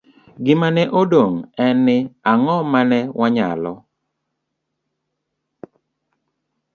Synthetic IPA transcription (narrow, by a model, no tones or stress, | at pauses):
ɡɪmanɛʔodoŋɛnːɪaŋɔmanɛwʔaɲa̰lɔ